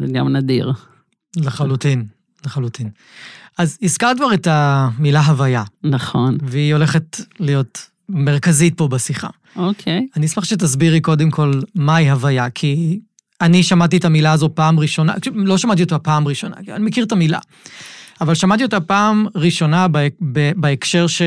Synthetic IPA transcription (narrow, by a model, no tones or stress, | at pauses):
zeɡamnadḭʁ | leχalutin | leχalutin | ʔaziskaʁkvaʁetamilaɦavajanaχonveio̞le̞χetlijo̞t | meʁkazit̚po̞besiχa̰ | okʰejanismaχʃet̬asbiʁiko̞demkʰo̞lmaiɦavajakʰi | aniʃamat̬itamilaːzo̞paːmʁiʃo̞na̰klo̞ʃamat̬iot̪apaːmʁiʃo̞na̰kia̰nimekiʁtamila̰ | avalʃamatiot̪apaːmʁiʃo̞nabbebaekʃe̞ʁʃe